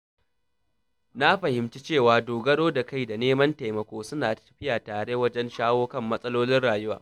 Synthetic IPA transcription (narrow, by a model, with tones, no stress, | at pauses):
na˦ɸɐ˨hɪ˨mt͡ʃi˦t͡ʃeː˦˨waː˨doː˨ɡɐ˦ɽoː˦da˨ka˦˨jda˨neː˦mɐ˦nta˨jmɐ˨kʷoː˦sʊ˦naː˨tɐ̥˦ɸɪ˦jaː˨taː˨ɽe˦wɐ˦d͡ʒɛ˦nʃaː˦woː˦kɐ˦˨mːɐ˦sʼɐ˦loː˦lɪ˦nɽaː˨jʊ˦waː˨